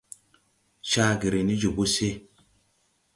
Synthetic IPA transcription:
ʃa˦ɡi˨ɾe˨ni˦d͡ʒu˨bo˦se˦

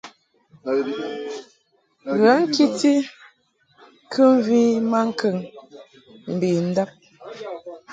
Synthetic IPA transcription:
ɣa˨˦ŋ̩˦ki˦ti˦ | kʰə˦m˦vi˦ma˦ŋ̩˦kʰə˦˨ŋ | m̩˨bi˨n̩˦da˦p̚

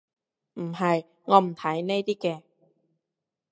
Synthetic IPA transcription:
ʔm̩˨˩ha˧˩j | ŋɔː˧˩m̩˨˩t̪ʰaː˩˦jna˥˩jt̪ʰiː˥˩kɛː˧

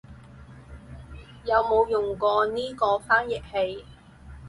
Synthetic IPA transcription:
jɐ˨˧wmo˨˧wjʊ˨˩ŋkɔː˧niː˥kɔː˧faː˥njɪ˨k̚he˧j

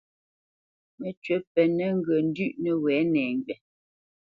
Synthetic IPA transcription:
mɛ˨t͡ʃɥɛ˨˦pɛ˨nɛ˦ŋ˦ɡə˨n̩˦dʉ˦˨ʔnɛ˨wɛː˨˦nɛː˨ŋ˨ɡɥɛ˨

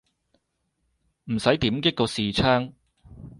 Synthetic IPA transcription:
m̩˨˩sɐ˨˥jt̪iː˨˥mkɪ˥k̚ːɔ˧siː˨t͡sʰœː˥ŋ

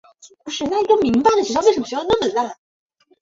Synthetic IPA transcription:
pu˧˥ʂɻ̩˥˩na˥˩i˧˥ɡə˧mi˧˥ŋpa˧˩ɪd̪ə˩i˧˥ʂʰwʂə˧˥məʂna˥˩mə˨˩a˥˩

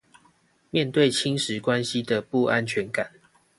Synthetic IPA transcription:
mjɛ˥˨nt̪we˥˨ɪt͡ɕʰi˦ŋʂɻ̩˨˦kwa˦nɕi˦d̪ə˨pu˥˨a˦nt͡ɕʰɥɛ˨˦nka˨˩˦n

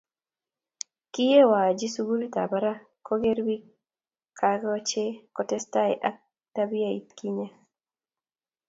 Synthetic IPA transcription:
ki˦je˦wa˨d͡ʒi˦su˦ɡu˦lita˨ba˦ɾa˦ | kɔ˦ɡe˦ɾbi˦ | kʰaɡɔ˦t͡ʃe˦kɔtɛ˦sta˦ɛ˨ʔa˦ | tabi˦a˦i˨tki˦ɲa˦

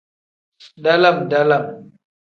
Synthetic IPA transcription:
da˦la˦˨mda˦la˦˨m

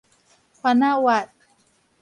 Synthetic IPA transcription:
kʰwa˧˨na˥wa˨t̪̚

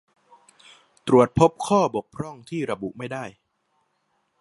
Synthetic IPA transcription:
t̪ɾu˨˩ət̪̚pʰo˦˥p̚kʰɔː˥˩bo˨˩k̚pʰɾɔ˥˩ŋt̪ʰiː˥˩ɾa˧bṵ˨˩ʔma˥˩jda˥˩j

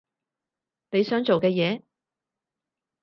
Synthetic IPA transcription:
ne˨˧jsœː˨˥ŋt͡so˨wkɛː˧jɛː˨˧

